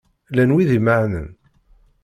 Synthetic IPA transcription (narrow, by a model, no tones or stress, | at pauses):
lænwiðiməʕnə̰n